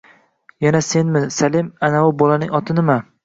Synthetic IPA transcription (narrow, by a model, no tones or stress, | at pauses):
janase̞nmɪsalemanawʊbɒlanɪŋɒt̪ʰɪnɪma